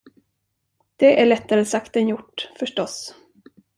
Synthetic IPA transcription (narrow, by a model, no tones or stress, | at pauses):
d̪̥ɛʔæɭɛt̪ːaɾəsakt̪ənjʊʈːfœʂʈɔs